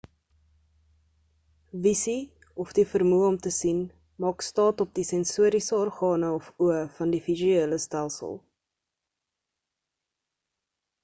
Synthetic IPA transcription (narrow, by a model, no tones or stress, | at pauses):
visi | ɔfdifərmuəɔmtəsin | mɑːkstɑːtɔp̚disɛnsuəɾisəɔrχɑːnəɔfuəfɐndifizyiːləstælˠsə̰lˠ